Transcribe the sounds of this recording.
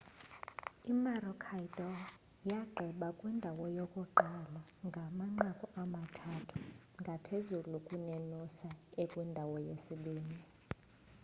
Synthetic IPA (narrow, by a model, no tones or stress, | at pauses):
imaɾɔkʰaidʼɔ | jaɡ͡ǃʱɛɓakʼwindʱawɔjokʼuǃalaŋɡʱamaŋ͡ǃakʼɔʔamatʰatʰu̥ | ŋɡʱapʰezulukʼunenusaekʼwindʱawɔjesiɓiːnd͡zʱi